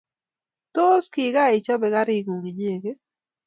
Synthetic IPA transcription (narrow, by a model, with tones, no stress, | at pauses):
t̪o˦ski˨ɡa˦ɪ˨t͡ʃɔ˦bɛ˨ɣa˦ɾɪ˦ɡu˨ŋi˨ɲe˨ɡe˦